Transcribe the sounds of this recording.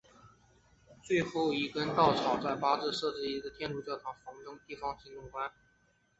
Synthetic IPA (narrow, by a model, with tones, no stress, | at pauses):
t͡swe˥˧ɪxo˥˩ʊi˧˥kə˥nt̪ɑ˥˩ʊʈ͡ʂʰɑ˨˩˥ʊt͡sa˥˩ɪpa˥ʈ͡ʂɻ̩˥˧ʂɤ˥˧ʈ͡ʂɻ̩˥˧i˥˩d̪ə˧˩t̪ʰjɛ˥nʈ͡ʂu˧˥t͡ɕjɑ˥˩ʊʈ͡ʂ̪ʰɑ˧˥ŋfɑ˧˥ŋʈ͡ʂ̪ɤ˥ŋt̪i˥˩fɑ˥ŋt͡ɕʰi˧˥nt̪ʊ˥˩ŋkwa˥n